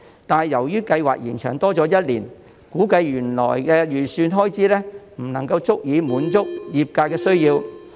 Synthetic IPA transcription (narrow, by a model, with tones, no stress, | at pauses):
t̪aː˨n˨jɐ˨˩wjyː˥kɐ˧jwa̰ː˨k̚jiː˨˩nt͡ʃʰœ̰ː˨˩ŋt̪ɔː˥t͡sɔː˨˥jɐ˥t̚liː˨˩n | kuː˨˥kɐ˧jjyː˨˩nlɔ̰ː˨˩jkɛː˧jyː˨˩syː˧nɦɔː˥jt͡siː˨˥lɛː˥m̩˨˩nɐ˨˩ŋkɐ˧wt͡sʊ˥k̚jiː˨˧muː˨˥nt͡sʊ˥k̚jiː˨p̚kaː˧jkɛː˧sɵ˥ɥjiː˧w